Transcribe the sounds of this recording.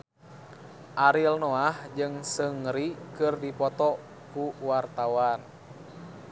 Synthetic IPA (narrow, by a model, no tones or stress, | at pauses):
ʔaɾilnoahd͡ʒɨŋsəŋɾikɨrdipɔt̪ɔ | kuwart̪awan